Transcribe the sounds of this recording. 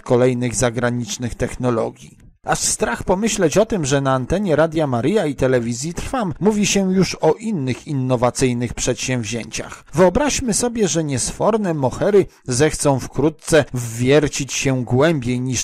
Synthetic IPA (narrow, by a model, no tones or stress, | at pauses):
kɔlɛjnɘɣzaɡɾaɲit͡ʂnɘxt̪ɛxnɔlɔ̰ɡʲji | aʂst̪ɾaxpɔmɘɕlɛt͡ɕɔt̪ɘmʐɛnaːnt̪ɛɲɛɾad̪ʲjamaɾɘjait̪ɛlɛvʲizʲjit̪ɾfamːuvʲiɕɛjuʂɔʔinːɘxinːɔvat̪sɘjnɘxpʂɛt̪ɕɛ̃w̃vʑeɲt͡ɕa̰xvɘɔbɾaɕmɘsɔbʲjɛʐɛɲɛsfɔɾnɛmɔxɛɾɘ | zɛxt̪sɔ̃w̃fkɾut̪̚t̪sɛzvʲjɛɾt͡ɕit͡ɕɕɛɡwɛmbʲjejɲiʂ